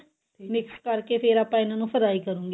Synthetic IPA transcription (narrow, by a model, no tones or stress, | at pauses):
mɪkskəɾkeːpʰeːɾaːpːãːɪnãːnũːfʰəɾaːiːkəɾũːŋɡe